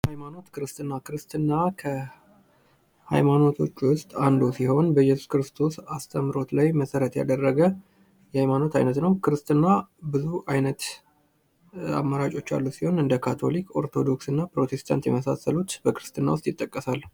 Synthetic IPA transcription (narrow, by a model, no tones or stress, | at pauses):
hajmano̞t̪kʰɨɾɨst̪ɨnːakɨɾɨst̪ɨnːakʰə | ha̰jmano̞t̪ʰot͡ʃːwʊst̪ʼand̪osiho̞nbəjɛsu̥skɨɾɨst̪ʰo̞sast̪ʰəmːɾo̞t̪lajməsəɾət̪ja̰d̪ərːəɡə | jɛhajmano̞t̪ʰa̰jnət̪nəwkɨɾɨst̪ɨnːabɨzuajnət̪ | a̰mːaɾat͡ʃʼo̞t͡ʃːa̰lːusiho̞nɨnd̪əkʰat̪ʰo̞̰liko̞ɾt̪ʰo̞d̪o̞ksɨnːapɾo̞t̪ʰe̞st̪ʰa̰nt̪jɛməsa̰səlut̪bəkɨɾɨst̪ɨnːa̰wʊst̪ʼjɪt̪ʼːəkʼːəsal